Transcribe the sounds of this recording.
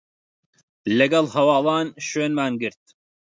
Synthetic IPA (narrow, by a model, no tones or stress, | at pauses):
lɐɡɐlˠhɐwɑːlˠɑːnʃeːnmaːnɡɨɾt̪̚